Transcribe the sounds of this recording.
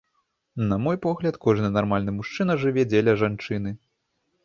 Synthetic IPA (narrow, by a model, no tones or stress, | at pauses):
nɐmɔjpɔɣlʲɐt̪kɔʐnɨnarmalʲnɨmuʂt͡ʂɨnɐʐɨvʲɛd͡zʲelʲɐʐant͡ʂɨn̪ɨ